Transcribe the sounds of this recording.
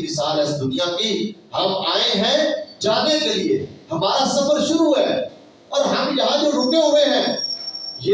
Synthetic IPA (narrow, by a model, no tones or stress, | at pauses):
mɪsaːlɦɛ̃sd̪ʊːnijãkihɐmaːeɦɛ̃d͡ʒaːd̪ekeliehɐmaːɾasɐfəɾʃʊɾuɦɦɛ | ɔːɾɦɐmjɐɦãd͡ʒoɾʊkeɦoeɦɛ̃ː | jeː